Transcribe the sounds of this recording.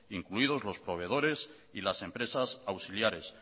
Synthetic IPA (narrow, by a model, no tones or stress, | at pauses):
iŋkluið̞o̞zlo̞spɾo̞β̞e̞ð̞o̞ɾe̞s | ilase̞mpɾe̞sasawsiljaɾe̞s